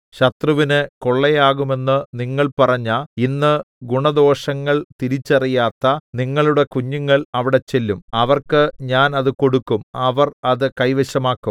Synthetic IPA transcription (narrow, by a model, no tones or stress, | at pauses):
ɕɐt̪rɐʋinɨko̞ɭːejaːɣume̞nːɨniŋːɐɭpɐrɐɲːɐinːɨ | ɡuɳɐd̪o̞ːʂɐŋːɐɭt̪iɾit͡ɕːɐrijaːt̪ːɐniŋːɐɭuɽe̞kuɲːuŋːɐɭɐʋiɽe̞t͡ɕe̞lːumɐʋɐrkɨɲaːnɐðɨko̞ɽukːumɐʋɐrɐðɨkɐjʋeɕɐmaːkːum